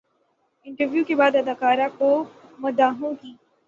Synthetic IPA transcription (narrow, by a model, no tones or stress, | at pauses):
ɪ̃ɳʈəɾʋjuːkebaːd̪ɐd̪aːkaːɾakomɐd̪aːɦõkiː